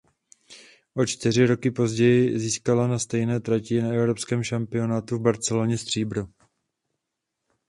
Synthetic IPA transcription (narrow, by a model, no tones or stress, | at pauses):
ʔot͡ʃt̪ɪr̝ɪɾo̞kɪpo̞zɟɛjɪziːskalanast̪ɛjnɛːt̪ɾacɪnaɛvɾo̞pskɛːmʃampɪo̞naːt̪uvbaɾt͡sɛlo̞ɲɛst̪r̝̥iːbɾu